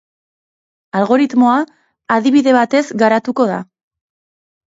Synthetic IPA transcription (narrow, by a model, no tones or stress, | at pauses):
alɣo̞ɾit̪mo̞aː | ðiβ̞iðe̞βat̪e̞zɡaɾat̪uko̞ða̰